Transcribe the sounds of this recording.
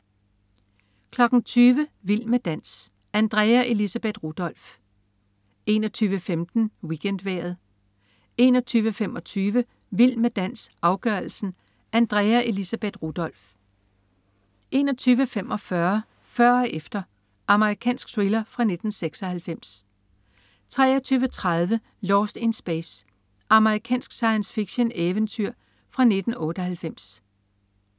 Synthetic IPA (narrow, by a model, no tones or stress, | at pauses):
kʰlɒ̽ɡ̥n̩t͡sʰyːʋəʋil̰med̥æn̰s | ænd̥ʁɛːæʔe̝lisæb̥e̝d̥ʁud̥ɒ̽l̰f | e̝nɒt͡sʰyːʋəfemd̥n̩wiɡ̥en̰d̥ʋḛɐð̞̩ˠ | e̝̰nɒt͡sʰyːʋəfem̰ɒ̽t͡sʰyːʋə | ʋil̰med̥æn̰sʔɑ̈ʊɡ̥ɶɐl̩sn̩ | ænd̥ʁɛːæʔe̝lisæb̥ed̥ʁud̥ɒ̽l̰f | ʔe̝ːnɒ̽t͡sʰyːʋəfem̰ʔɒ̽fɶɐ | fɶɐ̰ʔefd̥ɐ | ʔɑ̈məʁikʰɛ̰ːnsɡ̥sʁilɐfʁɑ̈ne̝d̥n̩seɡ̥sɒ̽hælfem̰s | t͡sʰʁɛ̰ːɐt͡sʰyːʋət͡sʰʁaðˠʋə | lɒːsd̥e̝nsb̥es | ʔɑ̈məʁikʰɛ̰ːnsɡ̥sɑ̈ɪənsfiɡ̥ɕəneʋənt͡sʰyɐ̰ | fʁɑ̈ne̝d̥n̩ɔ̽ːɾ̥əhælfem̰s